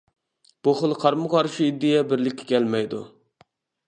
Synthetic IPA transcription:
b̥uχəlˠqʰɑɾmɨqɑɾʃiid̪ːɪjɛbɪɾlɪkʲːɛ̥kʲʰɛlmɛjd̪ṵ

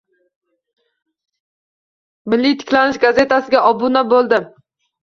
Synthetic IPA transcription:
bɪlːijt̪ʰɪ̥kʲlanɪʃɡaze̞t̪ʰasɪɡʲaʔɒbʊnabolˠd̪ɪ

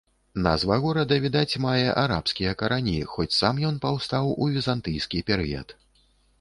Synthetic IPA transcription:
nɐzvaɣɔɾɐd̪ɐvʲid̪at͡sʲmajɛʔaɾa̰pskʲijɐkɐɾanʲixɔt͡sʲsamjɔn̪pawst̪awuvʲizant̪ɨjskʲipʲɛɾɨjɐ̰t̪

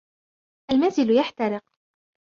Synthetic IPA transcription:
ʔalmazɪlʊjaħt̪ɑɾɪq

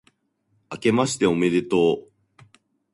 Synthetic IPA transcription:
ake̞maɕi̥t̪e̞o̞me̞d̪e̞t̪o̞ː

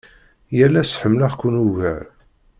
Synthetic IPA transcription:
jælːæsħəmlaʁkʷunuvəʕ

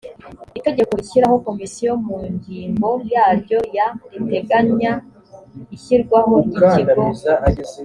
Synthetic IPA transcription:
ite̞ɟe̞ko̞içiɾaho̞ko̞misijo̞muɲɟiːmbo̞jaːɾɟo̞jaɾite̞ɡaɲa | içiɾɡwaho̞ɡiciɡo

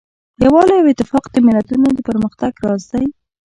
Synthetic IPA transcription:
jawɑlejawɪt̪ːɪfɑqd̪əmɪlat̪unod̪əpəɾməxt̪aɡɾɑzaj

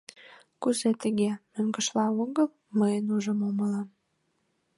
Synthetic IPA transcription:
kuzet̪əɣemøŋɡə̆ʃlɑoɣəl | məjenuʒəmoməlɑm

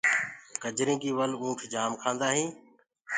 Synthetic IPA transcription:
kəd͡ʒɾĩːkiːʋəlũːʈʰd͡ʒaːmkʰãːnd̪aːɦĩː

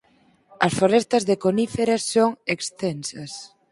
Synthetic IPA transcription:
ɐsfoɾest̪ɐzðekonifeɾasːoŋekst̪ɛnsɐs

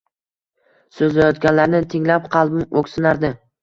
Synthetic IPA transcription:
sɵzlajɒt̪ɡʲanlaɾnɪt̪ʰɪŋlapqʰɑlˠbɪmokʲsɪnaɾd̪ɪ

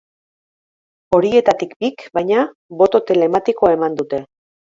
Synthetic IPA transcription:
o̞ɾie̞t̪at̪ikbikbajɲa | βo̞t̪o̞t̪e̞le̞mat̪iko̞e̞mand̪ut̪e̞

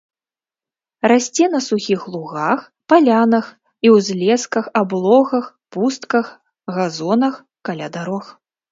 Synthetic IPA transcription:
rasʲt͡sʲɛnɐsuxʲixlˠuɣax | palʲanɐx | iwzʲlʲɛskɐxablˠɔɣɐx | pust̪kɐx | ɣazɔnɐx | kalʲad̪aɾɔx

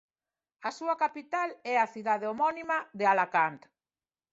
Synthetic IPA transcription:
asuakapit̪alɛaθiðaðeomɔnimaðealakant̪

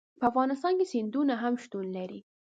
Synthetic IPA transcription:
pəafɣɑnɪst̪ɑnkesɪnd̪unaɦamʃt̪unlaɾi

